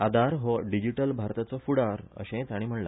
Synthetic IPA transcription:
ad̪aɾɦɔɖid͡ʑiʈəlbʱaɾt̪at͡sɔfuɽaɾə̰ɕẽt͡saɽ̃im̤əɳla̰

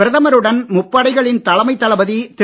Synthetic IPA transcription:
ɪɾɐðɐmɐɾɯɽɐnmʊpːɐːɽɐɪɣɐɭɪnt̪ɐlɐmɐɪt̪ːɐlɐbɐðit̪ɪ

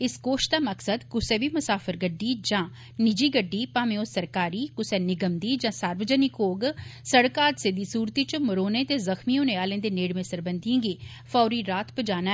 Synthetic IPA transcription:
ɪskoːʃt̪aːməksəd̪kʊsɛːbiːmʊsaːpʰəɾɡəɖiːd͡ʒãː | nɪd͡ʒiːɡəɖːiːpaːmẽõːsəɾkaːɾiːkʊsɛːnɪɡəmd̪iːd͡ʒãːsaːɾʋəd͡ʒənɪkoːɡsəɽkaːd̪seːd̪iːsuːɾt̪iːt͡ʃməɾoːnẽːt̪eːzəxmiːõːneːaːlẽːd̪eːneːɽmẽːsəɾbənd̪iãːɡiː | fʰɔːɾiːɾaːt̪pəd͡ʒaːna

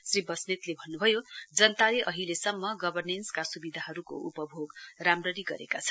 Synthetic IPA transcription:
sribʌsnet̪lebʱʌnːubʱʌjod͡zʌnt̪aleʔʌɦilesʌmːʌɡʌbʱʌrnenskasubid̪ʱaɦʌɾuko̰ʔupʌbʱoɡramrʌɾiɡʌ̰ɾḛkat͡sʰʌ̥n

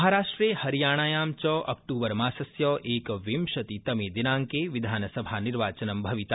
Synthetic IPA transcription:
ɦaɾaːʂʈɾehɐɾijaːɽ̃aːjaːmt͡ʃɔːʔɐ̰k̚ʈuːbəɾmaːsɐsjɔːʔeːkʋimʃɐt̪it̪ɐmeːd̪inãːŋkeʋid̪ʱaːnəsɐbʱaniɾʋaːt͡ʃɐnɐmbʱɐʋit̪a

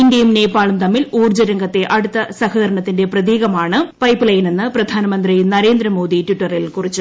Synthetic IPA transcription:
indɐjumne̞ːpːaːɭumt̪ɐmːiluːrd͡ʑɐɾɐŋɡɐt̪ːe̞ʔɐɽut̪ːɐsɐhɐðɐɾɐɳɐt̪ːinde̞prɐðiːɣɐmaːɳɨpɐjpːɨlɐjɐne̞nːɨprɐd̪ʱaːnɐmɐnd̪rinɐɾe̞ːnd̪ɾɐmo̞ːd̪itwiʈːɐrilkurit͡ɕːɨ

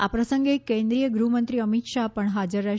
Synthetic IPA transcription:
a̰pɾəsəŋɡekẽnd̪ɾijəɡɾumənt̪ɾiəmit̪ʃapəɳɦad͡ʒəɾːə

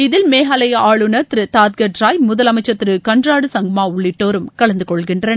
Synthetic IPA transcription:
ɪðɪlmeːɦaːlɐjɐaːɭɯnɐt̪ɪɾɯt̪aːt̪̚ɡɐʈɾaːjmʊðɐlɐmɐɪt͡ʃːɐt̪ːɪɾɯkɐɳdraːɽɯsɐŋɡɐmaːʊɭːɪʈːoːɾɯmkɐɭɐnd̪ɯkɔɭɣɪndrɐn

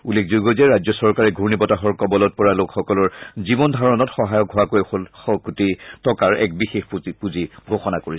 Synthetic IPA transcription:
ulːekʰzoɡɔzɛɹazjɔsɔɹkaɹɛɡʱuɹnibɔtaɦɔɹkɔbɔlɔt̚pɔɹalokxɔkɔlɔɹzibɔndʱaɹɔnɔtxɔɦajɔk̚ɡʱʊakoɔkutitɔkaɹɛ̰k̚bixexpuziɡʱoxɔnakoɹisɛ

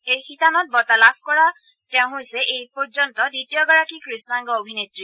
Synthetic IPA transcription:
ejxitanɔt̚bɔtalapʰkɔɹa | tɛʊ̃ɦojsɛʔejpɔɹzɔntɔditijɔɡaɹakikɹisnaŋɡɔobʱinetɹi

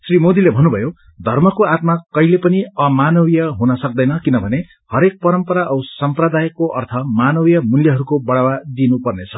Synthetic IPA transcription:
srimod̪ilebʱʌnubʱʌjo | d̪ʱʌrmʌkoat̪makʌilepʌniʌmanʌwijʌɦunʌsʌk̚d̪ʌjnʌkinʌbʱʌne | hʌɾek̚pʌɾʌmpʌɾaʔʌwsʌmprʌd̪ajkːoʔʌ̰rt̪ʰʌmanʌwijʌmuljʌɦʌɾukobʌɽawad̪inupʌrnet͡sʰʌ

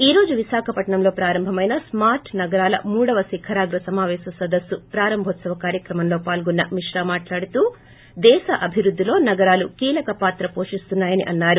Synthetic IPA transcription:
iːɾo̞ːd͡ʒuʋiʃaːkʰɐpɐʈɐɳɐmlo̞ːpɾaːɾɐmbʱɐmɐjnɐsmaːɾʈʰnɐɡɐɾaːlɐ̰muːɽɐʋɐsikʰɐɾaːɡɾɐsɐmaːʋɛːsɐsɐd̪ɐsːupɾaːɾɐmbʱɔt̪sɐʋɐkaːɾjɐkɾɐmɐmloːpaːlɡɔnːɐmiʂɾaːmaːʈlaːɽut̪uː | d̪ɛːʃɐʔɐbʱiɾud̪ʱːilo̞ːnɐɡɐɾaːlukiːlɐkɐpaːt̪ɾɐpo̞ːʂist̪unːaːjɐnḭʔɐnːaːɾu

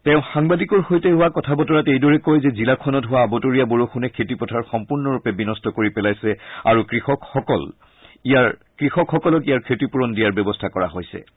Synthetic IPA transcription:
tɛʊ̃xaŋbadikɔɹxojtɛɦʊwakɔtʰabɔtɔɹatejdɔɹɛkojzɛzilakʰɔnɔtɦʊwaːbɔtoɹijaboɹoxʰunɛkʰetipɔtʰaɹxɔmpuɹnɔɹupɛbinɔstɔkoɹipɛlajsɛaɹukɹixɔkxɔkɔl | ijaɹ | kɹixɔkxɔkɔlɔkijaɹkʰetipuɹɔndijaɹbɛbɔstʰakɔɹa̰ɦojsɛ̰

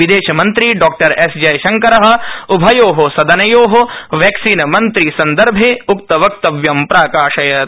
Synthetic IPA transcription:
ʋid̪eːʃɐmɐ̃nt̪ɾiɖɔːk̚ʈɐɾesd͡ʒɐjʃɐŋkɐɾɐɦɐ̆ubʱɐjoːɦosɐd̪ɐnɐjoːɦoʋɛːksiːnɐmɐnt̪ɾisɐnd̪ɐɾbʱeʊk̚t̪ɐʋɐk̚t̪ɐʋjɐmpɾaːkaːʃɐjɐt̪

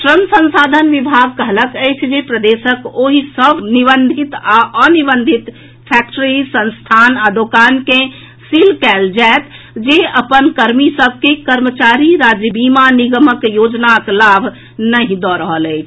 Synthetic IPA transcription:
ʈɾənsə̃nsad̪ʱənʋibʱaɡ̚kəɦləkəjt͡ʃʰd͡ʒepɾəd̪esəkoɦisəbʱnibənd̪ʱit̪aʔənibənd̪ʱit̪ | pʰɛkʈəɾisə̃nst̪ʰanad̪okanke | silkɛld͡ʒaet̪ | d͡ʒeəpənkəɾmisəbʱkekəɾmət͡ʃaɾiɾad͡ʒjəbimaniɡəməkjod͡ʒnaklabʱ | nəɦĩd̪ɔɾəɦələɪt͡ʃʰ

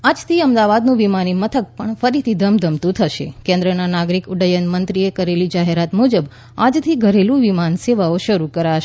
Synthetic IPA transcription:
ad͡ʒt̪ʰiəmd̪aʋad̪nũʋimanimət̪ʰək̚pəɳfəɾit̪ʰid̪ʱəmd̪ʱəmt̪ũt̪ʰəʃḛkɛ̃nd̪ɾənanaɡɾikʊɖəjənmənt̪ɾiekəɾelid͡ʒaɦeɾat̪mud͡ʒəb | a̰d͡ʒt̪ʰiɡʱəɾelũʋimanseʋaoʃəɾukəɾaʃ

